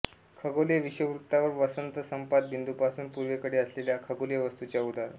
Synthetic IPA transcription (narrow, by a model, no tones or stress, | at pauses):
kʰəɡoleʋiɕəʋɾut̪ːaʋəɾʋəsənt̪əsəmpat̪̚bind̪upasuːnpuɾʋekəɽeəsleljakʰəɡoljeʋəst̪ut͡ɕjaud̪ʱaɾ